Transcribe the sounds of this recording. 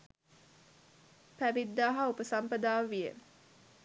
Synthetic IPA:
pæʋid̪ːaːɦaupəsampəd̪aːʋʋijə̰

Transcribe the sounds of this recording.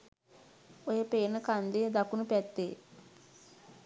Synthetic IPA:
ojəpeːnəkand̪ejəd̪akunupɛt̪ːeː

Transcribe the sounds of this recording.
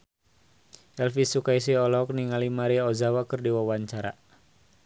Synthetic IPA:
ʔɛlfisukais̬iɔlɔk̚niŋalimaɾiɔzawakɨrdiwawaɲt͡ʃaɾa̰

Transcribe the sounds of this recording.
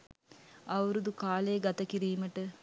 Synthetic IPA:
ɐwɾud̪ukaːlejːɡɐt̪əkiɾiːməʈə

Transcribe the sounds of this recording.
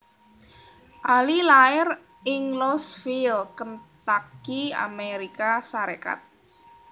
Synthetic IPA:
ʔalilaɪr | ɪŋlɔsfilkənt̪akia̰meɾikasaɾeka̰t̪̚

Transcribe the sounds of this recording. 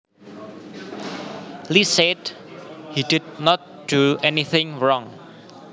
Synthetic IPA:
lised | hidid̚nɔt̚ | d̥uɛniθɪ̃ŋɹɔ̃ŋ

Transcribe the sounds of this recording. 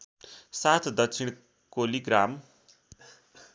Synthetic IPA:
sat̪ʰd̪ʌk̚t͡sʰiɽ̃ | koliɡram

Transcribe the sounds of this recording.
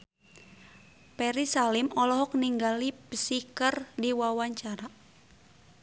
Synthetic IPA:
pɛɾisalimɔlɔɦɔk̚niŋɡalipəsikərdiwawaɲt͡ʃaɾa

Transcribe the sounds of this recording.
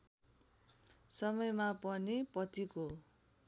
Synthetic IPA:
sʌmʌjmapʌnipʌt̪iko

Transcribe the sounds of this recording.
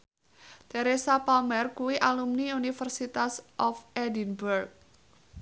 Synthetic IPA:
t̪eɾesapamɛrkuwiʔalumniunifərsit̪asʔɔfɛdinburk̚

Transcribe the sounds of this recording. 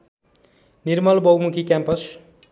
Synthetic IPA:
nirmʌlbʌwmukʰikjãmpʌs

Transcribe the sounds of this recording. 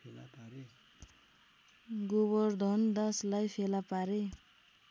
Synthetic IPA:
l | ɡobʌrd̪ʱʌnd̪aslajpʰelapaɾe

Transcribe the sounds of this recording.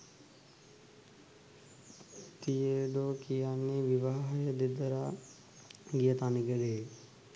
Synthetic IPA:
t̪ijədoːkijanːeʋiʋaːɦəjəd̪ed̪əɾa | ɡijət̪aniɡəɖeː

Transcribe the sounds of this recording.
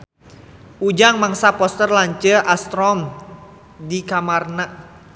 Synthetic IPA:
ʔud͡ʒaŋmaŋsapɔst̪ərlaɲt͡ʃəʔast̪ɾɔm | dikamarna

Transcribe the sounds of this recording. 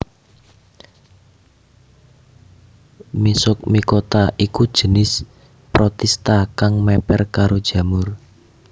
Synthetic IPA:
misʊk̚mikot̪aʔikud̥ʒ̥ə̤nɪs | pɾot̪ɛst̪akaŋmɛpɛrkaɾod̥ʒ̥ä̤mʊr

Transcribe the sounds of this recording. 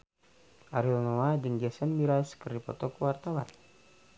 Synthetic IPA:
ʔaɾilnɔad͡ʒəŋd͡ʒasənmiɾaskəripɔ̰t̪ɔkuwart̪awa̰n

